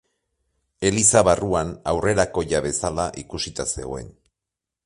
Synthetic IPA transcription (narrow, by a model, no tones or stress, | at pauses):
e̞lisaβaruanawre̞ɾako̞ʝaβe̞salaʔikusit̪ase̞̰ɣoe̞n